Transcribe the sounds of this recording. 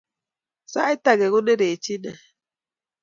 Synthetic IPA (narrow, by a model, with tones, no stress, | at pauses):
sa˦i˦ta˦ɣɛ˨ɣu˦ne˦ɾe˨t͡ʃi˦nɛ˨